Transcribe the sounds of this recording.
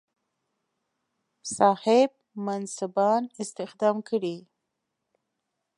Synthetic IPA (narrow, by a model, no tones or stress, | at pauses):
sɑhɪb̚mansabɑnɪst̪ɪxd̪ɑmkəɽi